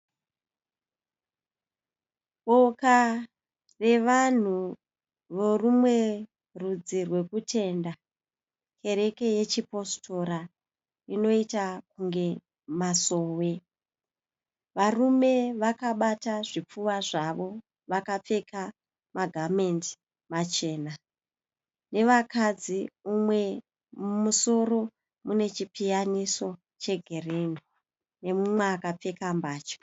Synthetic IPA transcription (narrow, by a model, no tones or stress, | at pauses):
ɓoka | re̞ʋan̤u | ʋorumwe̞ | rud͡zirwe̞kutʰe̞nda | kʰe̞ɾe̞ke̞je̞t͡ʃipo̞stʰo̞ɾa | ino̞itakuŋɡe̞ | maso̞ːwe̞ | ʋarume̞ʋakaɓataʐip͡fuwaʐaʋo̞ | ʋakap͡fe̞ka | maɡʱamendi̥ | mat͡ʃe̞ːna | ne̞ʋakad͡ziumwe̞ | muso̞ro̞ | mune̞t͡ʃipijaniso̞ | t͡ʃe̞ɡʱerenu | ne̞mumweakap͡fe̞kambaːt͡ʃḁ